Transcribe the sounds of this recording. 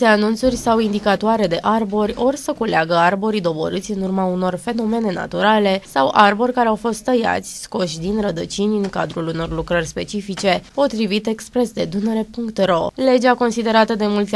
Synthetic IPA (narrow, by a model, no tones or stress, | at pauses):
seanunt̪surʲsawind̪ikat̪owaɾe̞d̪e̞ʔarbo̞rʲo̞rsəkuleaɡəarbo̞ɾid̪o̞bo̰ɾɨt̪sʲɨnurmauno̞rfe̞no̞me̞ne̞na̰t̪uɾale̞sawʔarbo̞rʲkaɾeawfo̞st̪ːəja̰t̪sʲsko̞ʃd̪inrəd̪ət͡ʃinʲɨŋka̰d̪ɾuluno̞rlukɾərʲspe̞̰t͡ʃifit͡ʃe̞po̞t̪ɾivit̪e̞kspɾe̞sd̪e̞d̪uneɾe̞puŋkt̪ro̞le̞d͡ʒako̞nsid̪e̞ɾat̪əd̪e̞mult̪